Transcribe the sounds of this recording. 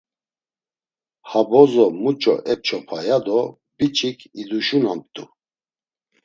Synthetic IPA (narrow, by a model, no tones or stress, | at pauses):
habɔzɔmut͡ʃʼɔ̰ʔɛp̚t͡ʃʰɔpʰajad̪ɔ | bit͡ʃʼikʰid̪uʃunamp̚t̪ʼṵ